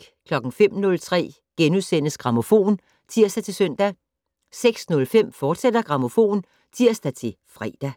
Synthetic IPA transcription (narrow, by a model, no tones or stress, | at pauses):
kʰlɒ̽ɡ̥ŋ̩fem̰nɔ̽lt͡sʰʁɛ̰ː | ɡ̥enuðˠsen̰əsɡ̥ʁɑ̈mo̝fo̝̰ːn | t͡sʰiɐ̰sd̥æt͡sʰe̝lsœn̰d̥æ | seɡ̥snɔ̽lfem̰fɒːd̥sed̥ɐɡ̥ʁɑ̈mo̝fo̝̰ːn | t͡sʰiɐ̰sd̥æt͡sʰe̝ | fʁɛ̰ːd̥æ